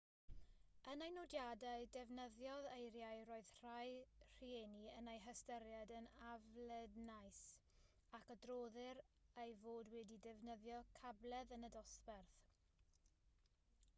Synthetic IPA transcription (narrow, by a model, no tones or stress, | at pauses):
ənajnɔdjadaɨdɛvnəðjɔðejɾjajroːɨð̥r̥ajr̥ieniənejɦəstəɾjadənavlɛdnajs | akədroːðɪɾejvoːdwɛdidɛvnəðjɔkʰablˠɛðənədɔsbɛrθ